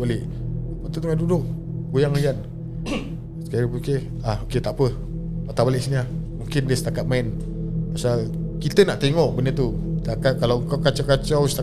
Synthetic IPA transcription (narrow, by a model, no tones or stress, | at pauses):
balɪʔ | pat̪ut̪uŋandudʊʔ̚ | ɡujaŋaian | sə̥kaɾiəke | ahoket̪aʔpə | pat̪abalɪʔsinamuŋkɪndiəsət̪akat̪̚maɪn | pasalkit̪ənaʔt̪eŋɔʔbənət̪ut̪akat̪̚kalawəŋkawkat͡ʃakat͡ʃawsət̪a